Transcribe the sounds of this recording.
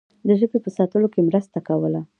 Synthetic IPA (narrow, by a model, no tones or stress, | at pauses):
d̪əʒəbepəsɑt̪əlokemɾəst̪akawəla